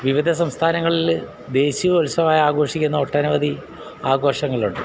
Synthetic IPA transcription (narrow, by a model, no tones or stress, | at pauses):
ʋiʋid̪ʱɐs̬ɐmst̪ʰaːnɐŋːɐɭil | d̪e̞ːɕiʋolsɐmaːjɐaːɡo̞ːʂikʲːunːɐoːʈːɐnuʋɐd̪ʱi | aːɡo̞ːʂɐŋːɐɭuɳɖɨ